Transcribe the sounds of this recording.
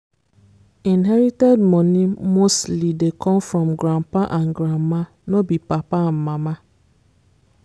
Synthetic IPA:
inɦɛɾitɛd̚mɔnimostlidekʰɔ̃mfɾɔ̃mɡɾampaʔanɡɾamːa | nobipapam̩mama

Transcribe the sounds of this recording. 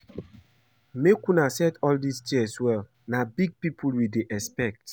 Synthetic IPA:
mekunasɛtɔldistiɛswɛl | nabiɡ̚pipʰulwideʔɛspɛk̚t

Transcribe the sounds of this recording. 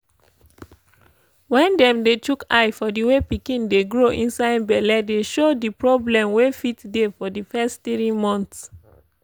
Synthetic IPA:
wɛ̃ndɛ̃mdetukaɪfɔdiwepikĩndeɡɹoʔĩnsaɪdbɛlɛdeʃodipɹɔblɛ̃mwefitdefɔdifɛstθɹimɔ̃nθs

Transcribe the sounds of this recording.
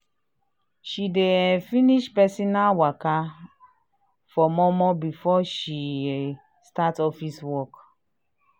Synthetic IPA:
ʃidefiniʃpɛsinawaka | fɔmɔmɔbifɔʃi | statɔfiswɔk

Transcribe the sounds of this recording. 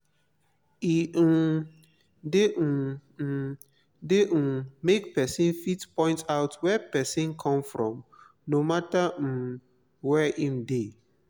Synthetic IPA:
i | de | deʔ̩mekpɛsĩnfitpɔ̃ɪ̃ntaʊtwɛpɛsĩnkʰɔ̃mfɹɔ̰̃m | nomata | wɛʔĩmde

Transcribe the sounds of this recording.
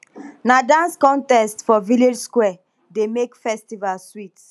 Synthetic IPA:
nadãnskɔ̃ntɛstfɔviled͡ʒskwɛ | demekfɛstivalswit

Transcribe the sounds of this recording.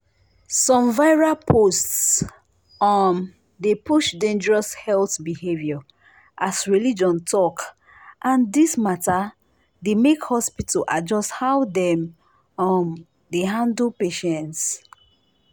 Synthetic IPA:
sɔ̃mvaɪɹapʰosts | ɔm | depuʃdẽnd͡ʒəɹɔshɛlθbihevjɔ | ʔasɹilid͡ʒɔ̃ntʰɔk | ʔãndismata | demekhɔspitʰlʔa̰d͡ʒɔsthawdɛ̃m | ɔ̃m | deɦãndlpeʃɛ̃nts

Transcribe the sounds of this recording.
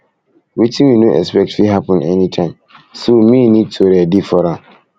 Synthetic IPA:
witʰĩmĩnoʔɛ̰spɛk̚tfiɦapə̃ndɛnĩtʰãɪ̃msomĩnĩd̚tʰoɾɛdifɔɾã

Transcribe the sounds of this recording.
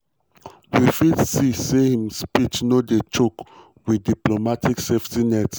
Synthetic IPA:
wifidsisehĩmspit͡ʃnodet͡ʃok | widiplomatikseftinɛt

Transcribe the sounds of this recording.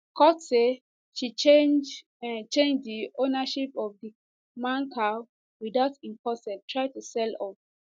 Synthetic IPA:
kʰɔtse | ʃit͡ʃed͡ʒ | t͡ʃẽnd͡ʒdionaʃipɔvdi | mãnkʰa | widaʊtĩmpɔsɛtʰɹaɪtusɛlɔp̚

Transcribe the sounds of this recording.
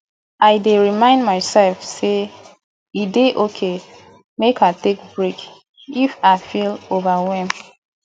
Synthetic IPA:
ajdeɹimãɪ̃ndmaɪsɛlfse | ideʔokʰe | mekʰatek̚bɹik | ifaɪfilovawɛm

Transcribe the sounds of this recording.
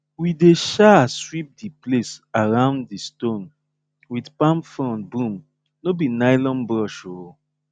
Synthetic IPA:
wideʃaswip̚diplesaɹãʊ̃nddistõn | widpãmfɹɔ̃nbũm | nobinaɪlɔ̃nbɾɔʃo

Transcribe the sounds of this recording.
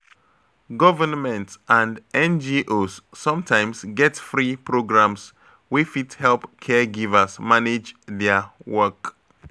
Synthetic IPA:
ɡɔvənmɛ̃ntsʔãndɛ̃nd͡ʒiʔosːɔ̃mtʰãɪ̃msɡɛtfɹipʰɹoɡɹãms | wifithɛlˠpkʰɛɡivəsmaned͡ʒðɛwɜk

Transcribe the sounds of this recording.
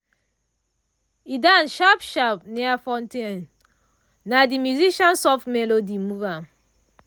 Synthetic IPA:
idanʃapʃapniafɔ̃nten | nadimjuziʃãnsɔftmɛlodimuva

